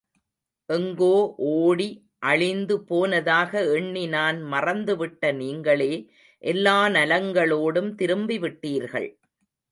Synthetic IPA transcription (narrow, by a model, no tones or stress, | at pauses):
ʔɛŋɡoːʔoːɽi | ʔɐɻɪnd̪ɯpoːnɐðaːɣɐɛɳːinaːnmɐrɐnd̪ɯʋɪʈːɐniːŋɡɐɭeː | ʔɛlːaːnɐlɐŋɡɐɭoːɽɯmt̪ɪɾɯmbiʋɪʈːiːɾɣɐ̰ɭ